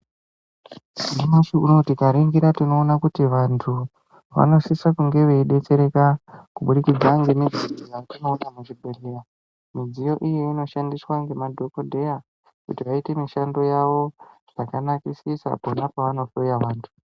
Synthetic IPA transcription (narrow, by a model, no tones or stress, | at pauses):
sinimaʃiuno̞tikaɾiŋɡiɾatino̞ːnakutiʋantʰu | ʋa̰no̞sisakuŋɡe̞ʋe̞iɗe̞t͡se̞ɾe̞kakuɓuɗikid͡zaŋɡe̞mid͡zijojatino̞ːnamuʐibʱe̞ɮera | mid͡zijo̞ʔijeino̞ʃandiswaŋɡe̞madʱo̞ko̞dʱe̞ja | kṵtiʋaitemiʃando̞jaʋo̞ʐ̥akanakisisa̰ponapaʋano̞fojaʋaːntʰu̥